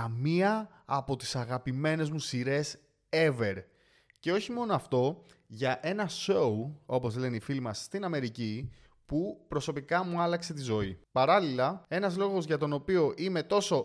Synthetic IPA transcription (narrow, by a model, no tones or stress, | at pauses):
miɐː | po̞t̪i̥sɐɣɐpime̞ne̞zmusiɾe̞s | e̞ve̞ɾ | ce̞oçimo̞no̞ɐft̪o̞ | ʝɐʔe̞nɐso̞uo̞po̞zle̞neifilimɐsːt̪inɐme̞ɾici | pupɾo̞so̞pikɐmuɐlɐkse̞t̪̬izo̞ipɐɾɐlilɐe̞nɐzlo̞ɣo̞zʝɐt̪o̞no̞pio̞ʔime̞t̪o̞so̞